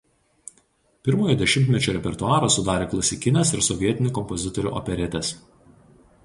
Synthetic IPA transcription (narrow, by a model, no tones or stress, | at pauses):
pʲɪɾmoːjoːd̪ʲɛʃʲɪmʲt̪ʲmʲɛt͡ʃʲuːɾʲɛpʲɛɾt̪ʊɑːɾoːsʊd̪ɑːɾʲeːklˠɐsʲɪkʲɪnʲeɛsɪɾsɔʋʲiɛt̪ʲɪnʲʊˑkɔmpɔzʲɪt̪ɔɾʲṵːʔɔ̰pʲɛɾʲɛt̪ʲɛs